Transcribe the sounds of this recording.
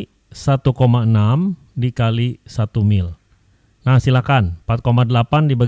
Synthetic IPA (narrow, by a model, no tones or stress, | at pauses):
sat̪ukomaənam | dikalisat̪umɪl | nahsilahkanpat̪̚komadəlapandiba